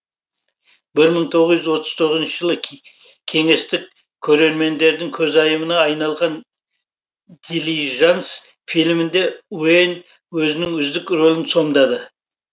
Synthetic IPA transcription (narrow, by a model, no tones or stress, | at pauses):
bɪɾməɴt̪ʰo̞ʁəzjɪzwo̞t̪ʰəz̥t̪ʰo̞ʁəzənʃəʒəlˠə | kʲʰe̞ŋe̞st̪ɪk | kʲʰːɵɾe̞ɾme̞nd̪e̞ɾd̪ɪŋkʲʰɵzɑjəmənɑːjnɑlˠʁɑn | d̪̥iliʒans | filʲmɪnd̪e̞wen | wɵzɪnɪŋʏzd̪ɪkro̞lʲˠɪnso̞md̪ɑd̪ə